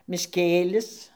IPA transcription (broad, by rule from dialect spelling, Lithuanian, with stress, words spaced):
mʲɪʃʲˈkʲeːlʲɪs